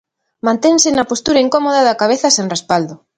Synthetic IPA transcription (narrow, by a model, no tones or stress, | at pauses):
mãnt̪eŋsɪnɐpost̪uɾɐiŋkomoðɐðɐkaβ̞eθɐseŋrespald̪o